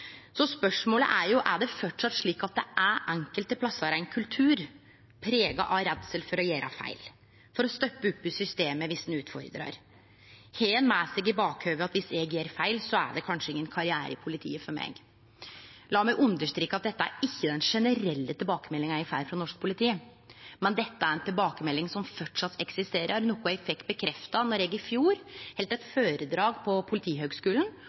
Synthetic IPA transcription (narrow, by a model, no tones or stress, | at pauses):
sɔspœʂmoːlə̰ʔæɾjʊʔæɖɛfɔʈʂɑt̪ːʂɭiːkɑt̪̚d̪ɛ̰ʔæɾʔɛŋkəlt̪əpʰlɑsːɑɾæɪnkʰʉlt̪ʰʉːɾ | pʰɾeːɡɑ̰ʔɑɾɛd̪səlfɔɾɔjeːɾʔɑfæ̰ɪl | fɔɾɔst̪œpːəʉpːʉsʏst̪eːməʋɪsd̪n̩ʉːt̪fɔ̰ɾd̪ɾɑ̰ɾ | heːnmæːsɪɡɪbɑːkhøːʋəɑt̪ʋɪsɛɡjeːɾfæɪlsɔæ̰ɖɛkʰɑnʂəɪŋːənkʰɑɾɪæːɾəpʰʊlɪt̪ʰḭːəfɔɾmḛːɡ | lɑːmɛɪʔʉnd̪əʂt̪ɾiːkːɑt̪̚d̪ɛt̪ːəæ̰ɾɪçːəd̪ɛnʂɛnəɾɛlːət̪ʰɪlbɑːkəmɛlːɪŋæɾɪfæːɾfɾɑnɔʂk̚pʰʊlɪt̪ʰiː | mɛnd̪ɛt̪ːəæɾɛnt̪ʰɪlbɑːkəmɛlːɪŋsɔmfœʈʂɑt̪ʰːɛksɪst̪eːɾʔəɾnoːkːʊɛɡfɛkt̪̚bəkʰɾɛft̪ɑnɔɾɛːɡɪfjuːɾhɛlt̪ɛt̪føːɾəd̪ɾɑːɡpʰɔpʰʊlɪt̪ʰiːɦøːɡskʉːln̩